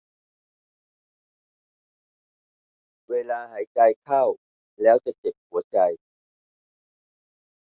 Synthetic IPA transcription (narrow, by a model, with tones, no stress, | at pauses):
weː˧laː˧ɦa˨˩˦jt͡ɕa˧jkʰa˥˩w | lɛː˦˥wt͡ɕa˨˩t͡ɕe˨˩p̚hu˨˩˦ɐt͡ɕa˧j